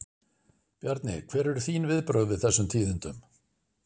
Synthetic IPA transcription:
pjaɾt̪nɪ̰kʰv̥ɛːɾɛɾʏ̥θiːnvɪðpɾœːɣvɪðθɛsːʏmt̪ʰiːðʏnt̪ʏm

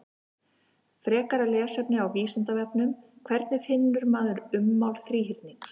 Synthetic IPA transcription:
fɾɛːkaɾalɛːsɛpnɪawviːsant̪avɛpnʏmkʰvɛɾt̪nɪfɪnːʏɾmaːðʏɾʏmːawlθɾiːɦiɾt̪niŋs

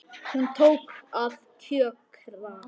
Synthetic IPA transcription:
hunt̪ʰoːwkaðcʰœːkʰɾva

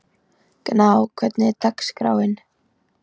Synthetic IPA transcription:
knaːwkʰvɛt̪nɪɾt̪akskɾa̰ːwɪn

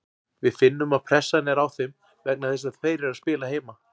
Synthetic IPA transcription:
vɪðfɪnːʏmaðpʰɾɛsːanɛɾawθem | vɛk̚naθejsafeːjɾɪɾaðspɪːlaɦeːjma

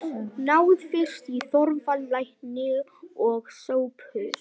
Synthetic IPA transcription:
naːwðfɪ̥st̪iθɔɾmfalvajhnɪɔɣsoːwpʏɾ

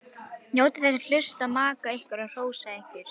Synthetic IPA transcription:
njoːwt̪ɪθɛs̬ːɪl̥ʏ̥st̪aðmaːkaehkvaɾar̥oːwsaeŋ̥kɪɾ̥

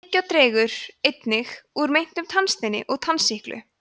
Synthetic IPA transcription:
cːat̪ɾɛːɣʏɾ̥ejt̪nɪxuɾmejn̥t̪ʏmt̪ʰanst̪ɪnːɪ̰ʔɔɣt̪ʰansihklʔʏ̰

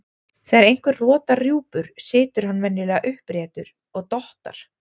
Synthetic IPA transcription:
θaːɾejŋ̥kvʏɾrɔːt̪arjuːpʏɾ̥sɪːt̪ʏɾ̥hanvɛnːɪlɛːɣaʔʏhpɾɛːt̪ʏɾ | ɔɣt̪ɔht̪a̰ɾ̥

